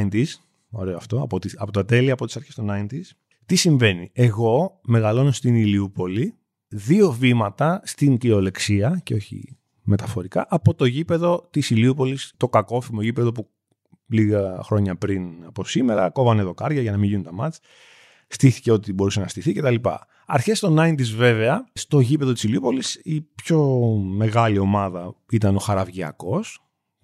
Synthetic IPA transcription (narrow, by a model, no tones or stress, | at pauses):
int̪iz | o̞ɾe̞oɐft̪o̞ɐpot̪iɐpo̞t̪ɐt̪e̞liɐːpo̞t̪i̥sɐɾçest̪onɐjnt̪iz | t̪isiɱve̞nie̞ɣo̞me̞ɣɐlo̞nost̪iniliupo̞li | ðio̞vimɐt̪ɐst̪iŋcio̞le̞ksiɐceo̞çḭ | me̞t̪ɐfo̞ɾikɐʔɐpo̞t̪o̞ʝipe̞ðo̞t̪isiliupo̞list̪o̞kɐko̞fimoʝipe̞ðo̞pu | liɣɐxɾo̞ɲɐpɾinɐpo̞sime̞ɾɐ̰ko̞vɐneðokɐɾʝɐʝɐnɐmiʝiunt̪ɐmɐt͡s | st̪iθi̥ce̞o̞t̪ibo̞ɾusenɐst̪iθice̞t̪ɐlipɐ̰ | ɐ̰ɾçe̞st̪o̞nɐint̪izve̞ve̞ɐst̪o̞ʝipe̞ðo̞t̪i̥siliupo̞lisipço̞me̞ɣɐlio̞mɐðɐit̪ɐno̞xɐɾɐvʝiɐ̰ko̞s